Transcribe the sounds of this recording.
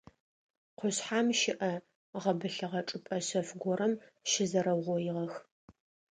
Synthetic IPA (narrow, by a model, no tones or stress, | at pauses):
qʷʊɕħaːmʃɪʔɐ | ʁɐbɨɬɐʁɐʈ͡ʂʼɨpʼɐɕɐfɡʷɔɾɐmʃɪzɐɾɐwʁʷɔjɪʁɐx